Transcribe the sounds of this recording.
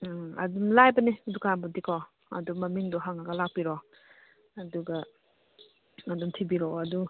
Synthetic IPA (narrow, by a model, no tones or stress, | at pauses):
ɐ̰dumlajbɐnidukaaŋbudikɔ | ɐ̰dumɐmiŋdɔɦaŋaɡalak̚piɾɔ | ɐduɡɐ | adumtʰibiɾɔɐdu